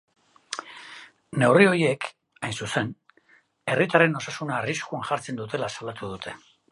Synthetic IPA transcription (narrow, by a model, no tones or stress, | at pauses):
ne̞wrio̞je̞k | ajnsuse̞n | e̞rit̪are̞no̞sasunaːriskuaŋʝaɾt͡se̞nd̪ut̪e̞lasalat̪uðut̪ʰe̞̥